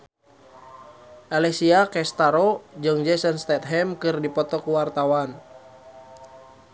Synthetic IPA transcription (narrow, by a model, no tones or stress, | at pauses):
ʔalɛsiakɛst̪aɾod͡ʒɨŋd͡ʒɛsɔnst̪ɛt̪̚ɦɛmkɨrdipɔt̪ɔkuwart̪awan